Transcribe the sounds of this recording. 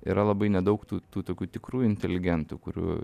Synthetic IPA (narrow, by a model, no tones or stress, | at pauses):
ḭɾɐlˠɐbɐɪnʲɛd̪ɐʊkt̪uːt̪uːt̪oːkʲuːt̪ʲɪkɾuːɪnʲt̪ʲɛlʲɪɡʲɛnt̪ṵkʊɾʲṵː